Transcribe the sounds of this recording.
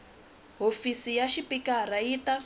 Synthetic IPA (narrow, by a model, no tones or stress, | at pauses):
ɦofisijaʃipikaɾaiːta